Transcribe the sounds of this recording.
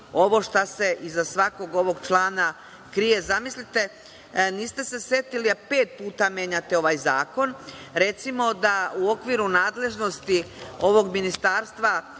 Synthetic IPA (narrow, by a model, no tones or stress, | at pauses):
o̞ʋo̞ʃt̪ase̞ʔizasʋako̞ɡo̞ʋo̞ɡt͡ʃlˠaːna | kɾije̞zamislit̪e̞ | niːst̪e̞se̞sje̞t̪iliape̞ːt̪̚puːt̪amjeɲat̪e̞o̞ʋajzaːko̞nɾe̞t̪simo̞d̪auo̞kʋiɾunaːd̪le̞ʒno̞st̪io̞ʋo̞ɡminist̪aːɾst̪ʋa